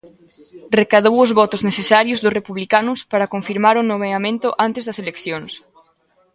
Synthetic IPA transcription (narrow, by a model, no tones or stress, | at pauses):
rekaðowʊzβɔt̪ʊzneθesaɾjozðʊsrepuβlikanʊspaɾakoɱfiɾmaɾonoβeamẽnt̪ʊʔant̪ezðɐselekθjoŋs